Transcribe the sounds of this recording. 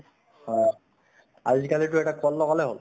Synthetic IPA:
hɔj | a̰zikalitʊɛʈakʰɔlːɔkalɛɦo̰l

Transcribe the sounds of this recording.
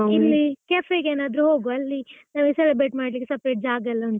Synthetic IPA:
ilːikeːfeɡeːnaːd̪ɾuɦoːɡuɐlːinaːʋɡesɛlibɾeʈmaːɖlikːesɐpɾeːʈ̚d͡ʒaːɡɐlːɐɔnt̪

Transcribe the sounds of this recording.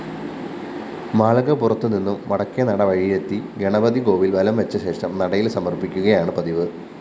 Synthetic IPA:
maːɭɐɣɐpurɐt̪ːuninːumʋɐɽɐkːjɐnɐɽɐʋɐɻijet̪ːiɡeɳɐbɐðiɡo̞ːʋilʋɐlɐmʋet͡ɕːɐɕe̞ːʂɐmnɐɽɐjilsɐmɐrpikʲːuɣɐjaːɳɨprɐðiʋɨ

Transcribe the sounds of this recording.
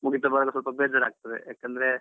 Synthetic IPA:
muɡit̪ɐbɐɾɐɡɐsɐlpɐbeːd͡ʒɐɾaːɡ̚t̪ɐd̪ḛjaːkɐnd̪ɐɾe

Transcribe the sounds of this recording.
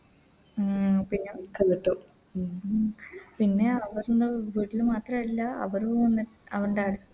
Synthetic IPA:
pinːekeːʈːu | pinːe̞ɐʋɐɾɖeʋiːʈːilmaːt̪rɐmilːɐɐ̰ʋɐɾuonːiɐʋɐɾuɳɖaːɽu

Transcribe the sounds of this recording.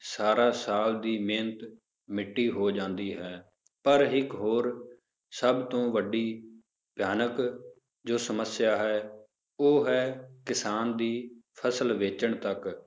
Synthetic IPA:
saːɾaːsaːld̪iːmẽːnət̪ | mɪʈːiːɦoːd͡ʒãːnd̪iːɦɛː | pəɾɦɪkɦoːɾ | səbt̪õːʋəɖiː | pjaːnək | d͡ʒoːsəməsjaːɦɛː | oːɦɛːkɪsaːnd̪iːpʰəsəlʋeːt͡ʃəɳt̪ək

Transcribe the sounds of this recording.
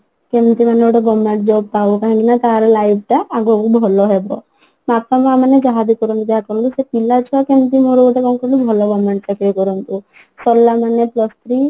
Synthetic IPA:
kemt̪imaneoʈɔɡɔmːeɳʈd͡ʒɔb̚paukaɦãŋkinat̪aɦaɾelajb̚ʈaːɡukubʱɔlɔɦebɔ̰ | mapamamanːed͡ʒaɦad̪ikɔɾɔnt̪ud̪eɦak̪kɔɾɔnt̪usepilat͡ʃʰuakemt̪imoɾuoʈakɔŋkɔɾlibʱɔlɔɡɔmːeɳʈ̚takekɔɾɔnt̪u | sɔlːamanːeplɔst̪ʰɾi

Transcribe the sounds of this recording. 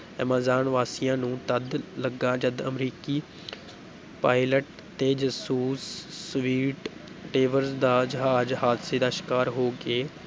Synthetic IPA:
əmaːzaːnʋaːsijãːnũːt̪əd̪ləɡãːd͡ʒəd̪əmɾiːkiː | paːɪləʈ̚ | t̪eːd͡ʒəsuːsːʋiːʈ | ʈeːʋəɾsd̪aːd͡ʒɦaːəd͡ʒɦaːd̪seːd̪aːʃɪ̥kaːɾɦoːɡeː

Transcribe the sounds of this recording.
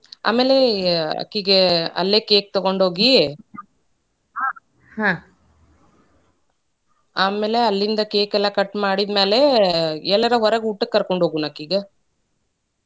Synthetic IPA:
a̰ːmeːleɐ̰kːiːɡeɐ̰lːeːkeːk̚t̪ɔɡo̞ɳɖɦoːɡi | hãː | aːmeːleɐlːind̪ɐkeːkɛlːɐkɐʈmaːɽid̪meːleɛlːɐɾɐɦɔɾɐɡuʈːɐkːɐɾkoɳɖɦoːɡunaːkːiːɡe

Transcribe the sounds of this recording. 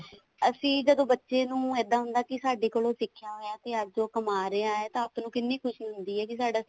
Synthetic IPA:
əsĩːd͡ʒəd̪õːbətːʃeːnũːɛːd̪aːɦʊnd̪aːkɪsaːɖeːkoːlõːsɪkʰːjaːɦoːjãːt̪eːəd͡ʒoːkəmaːɾəaːɦɛːt̪ãːəpnũːkɪnːiːkʰʊʃnĩɦʊnd̪iːɦɛːkɪsaːɖaː

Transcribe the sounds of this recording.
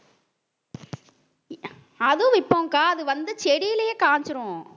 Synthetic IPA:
ɐðɯɪpːõːŋkaːɐðɯʋɐnd̪ɯt͡ʃɛɽɪjɪlɐjeːkaːɲt͡ʃɯɾõ

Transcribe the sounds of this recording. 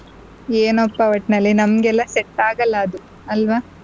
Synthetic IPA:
eːnɔpːɐʋɐʈnɐlːinɐmɡɛlːɐsɛʈːaːɡɐlːɐːd̪u | ɐlʋɐ

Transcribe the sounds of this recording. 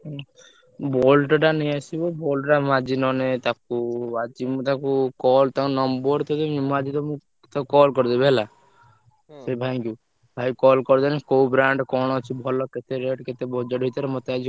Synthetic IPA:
bolʈʈaneasibɔbolʈʈamad͡ʒinɔnet̪akuad͡ʒimũt̪akukɔlt̪akunɔmbɔɾt̪ɔd̪emimad͡ʒit̪ɔmũ | t̪aukɔlkɔɾd̪ebɦela | sebʱaɛŋkju | bʱajkɔlkɔɾd̪ɔnẽkowbɾaɳɖkɔɽ̃ɔt͡ʃʰibʱɔlɔket̪eɾeʈket̪ebɔd͡ʒɔʈit̪ɔɾemɔt̪ead͡ʒi

